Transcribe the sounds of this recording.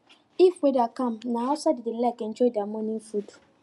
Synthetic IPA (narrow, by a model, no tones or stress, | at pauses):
ifwedakãmnãasadɪdɪlɛkɛ̃n̩t͡ʃɔdamɔ̃nĩfud